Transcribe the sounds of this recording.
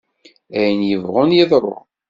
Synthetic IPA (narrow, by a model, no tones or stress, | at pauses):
æjənjəvʁʊnjɪðˤɾˤo̰ʁ